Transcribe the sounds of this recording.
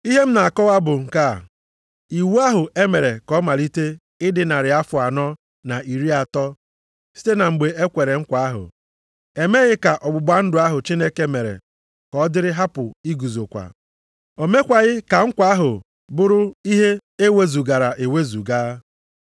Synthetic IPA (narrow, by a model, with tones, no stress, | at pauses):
i˦ɦe˦m̩˦na˨a˨kɔ˦wa˦bʊ˨ŋ̩˨ka̰˨ | i˨wu˦a˦ɦʊ˨ʔe˦me˨ɾe˨kɔ˦ma˨ɾi˦te˦ | ɪ˦dɪ˨na˨ɾɪ˨a˦fʊ˨a˨nɔ˦ | na˨i˨ɾi˦a˨tɔ˦ | si̥˦te˦na˨ŋ͡m̩˨ɡ͡be˨e˦kʷe˨ɾe˨ŋ̩˦kʷa˨a˦ɦʊ̰˨ | e˨me˦ɣɪ˦ka˨ʔɔ˨ɡ͡bʊ˨ɡ͡ba˦n̩˦dʊ˨a˦ɦʊ˨t͡ʃi˦ne˦ke˦me˨ɾḛ˨ | kɔ˨˦dɪ˦ɾɪ˦ɦa˦pʊ˨i˦ɡu˨zo˨kʷa̰˨ | o˨me˦kʷa˨ɣɪ˦ka˨ŋ̩˦kʷa˦a˦ɦʊ˨ | bʊ˦ɾʊ˦i˦ɦe˦e˦we˦zu˨ɡa˨ɾa˨ʔe˨we˦zu˨ɡaː˦